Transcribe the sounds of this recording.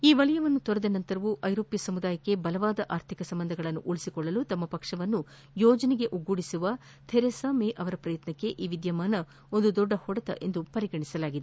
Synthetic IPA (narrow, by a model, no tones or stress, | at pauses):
iːʋɐlɐjɐʋɐnːut̪ɔɾɐd̪ɐnɐnt̪ɐɾɐʋuʔɐjɾoːpjɐsɐmud̪aːjɐkːe̞bɐlɐʋaːd̪ɐʔaːɾt̪ʰikɐsɐmbɐnd̪ʱɐɡɐɭɐnːuʔuɭisikɔɭːɐlut̪ɐmːɐpɐkʂɐʋɐnːu | jɔːd͡ʒɐniɡe̞ʔuɡuːɽisuʋɐ | t̪ʰeɾesaːmeʔɐʋɐɾɐpɾɐjɐt̪nɐkːe̞ʔiːʋid̪jɐmaːnɐ | o̞nd̪ud̪ɔɖːɐhɔɽɐt̪ɐ̰ʔe̞nd̪upɐɾiɡɐɳisɐlaːɡid̪e